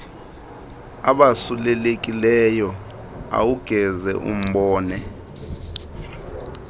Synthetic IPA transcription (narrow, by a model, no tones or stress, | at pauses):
aɓasulɛlek̬ʼilɛjɔ | a̰wuɡ̥ʱɛzɛ̰ʔṵm̩ɓɔːnɛ